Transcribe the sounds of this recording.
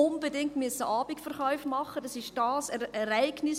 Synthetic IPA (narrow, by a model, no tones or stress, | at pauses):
ʊnb̥edɪŋtmyəsəʔɑːbɪkfɛɾχɔʏfmɑχːədɑsɪʃd̥ɑːsɛɾɛɾaɪɡ̥nɪs